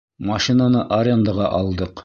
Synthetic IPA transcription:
mɐʃinanɤʔɐɾʲend̪aʁɑʔɒlˠd̪ɤq

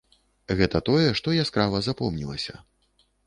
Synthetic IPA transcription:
ɣɛt̪ɐt̪ɔjɛʂt̪ɔjaskɾavɐzapɔmnʲilˠɐsʲɐ

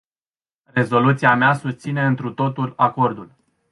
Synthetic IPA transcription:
re̞zo̞lut̪siameasust̪sine̞ɨnt̪ɾut̪o̞t̪ulako̞rd̪ul

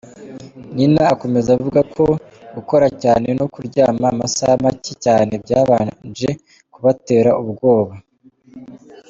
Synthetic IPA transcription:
ninaːko̞me̞zavuɡakʰo̞ | ɡuko̞ɾacaːne̞no̞kuɾɟaːmamasahamacicaːne̞bɟaːβand͡ʒe̞ | kuβate̞ːɾauβɡo̞ːβa

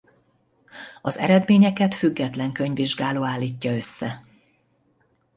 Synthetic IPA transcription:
ɒzɛ̰ɾɛd̪meːɲɛkɛt̪fyɡːɛt̪lɛŋkø̞ɲviʒɡaːloːaːlːiːcːɒø̞sːɛ

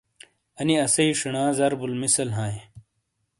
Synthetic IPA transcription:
ɐniɐsɐiʂɐɳãːzɐɾbulmisɐlɦãːe

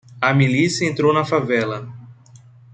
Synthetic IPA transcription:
ɐmilisjɐẽnt̪ɾownɐfavɛlɐ

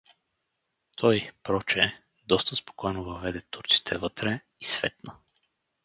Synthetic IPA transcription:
t̪ʰɔjpɾɔt͡ʃɛ | d̪ɔst̪əspo̥kɔjnovəvɛd̪ɛt̪uɾt̪si̥t̪ʰɛvɤt̪ɾɛ | isvɛt̪nə

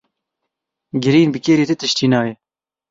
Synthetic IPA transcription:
ɡɪɾiːnbɨkeːɾiːt̪ɨt̪ɨʃt̪ʰiːnɑːjɛ

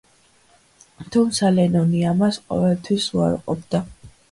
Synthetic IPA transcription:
t̪ʰumt̪sʰalɛnɔniamasqʼɔ̰vɛlˠt̪ʰwisua̰ɾqʼɔb̚d̪̥a

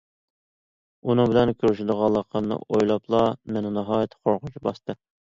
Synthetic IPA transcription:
unɨŋbɪlɛnkʲʰyɾyʃɪd̪əʁɑlˠːəqʰənɨ̰ʔojlˠɑpʰlˠɑmɛnɪnɨɦɑːjɛt̪ʰːqʰoɾqʊt͡ʃʰibɑ̰st̪ɨ

